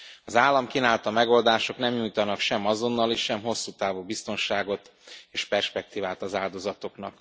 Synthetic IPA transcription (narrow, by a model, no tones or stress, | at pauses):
ɒzaːlːɒmkinaːlt̪ɒmɛɡo̞ld̪aːʃo̞knɛmɲuːjt̪ɒnɒkʃɛmɒzo̞nːɒleːʃʃɛmɦo̞sːuːt̪aːvuːbist̪o̞nʃaːɡo̞t̪ | eːʃpɛrʃpɛk̚t̪iːvaːt̪ɒzaːld̪o̞zɒt̪o̞kn̪ɒk